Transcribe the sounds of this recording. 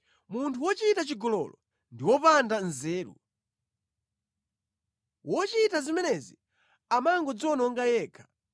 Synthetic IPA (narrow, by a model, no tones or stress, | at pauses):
muntʰuwɔt͡ʃitat͡ʃiɡɔlɔ̰lɔ | ndiwɔpandanzɛːɾṵ | wʔɔt͡ʃitazimɛnɛzi | amaŋɡɔd͡zɔnɔŋɡajɛːkʰḁ